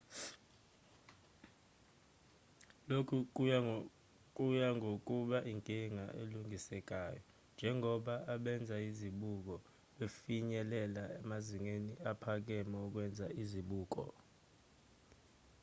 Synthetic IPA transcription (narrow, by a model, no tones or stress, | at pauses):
lokʰu | k̬ʼujaŋʱok̬ʼuɓaʔiŋkʼiŋa̰ʔḛluŋʱisɛk̬ʼaːjɔ | nd͡ʒʱɛŋʱɔɓaaɓɛnd͡zʱaiziɓuk̬ɔ | ɓefiɲɛlɛlaɛmaziŋeniapʰak̬ɛmɛuk̬wɛnd͡zʱaʔiziɓuːk̬ɔ̰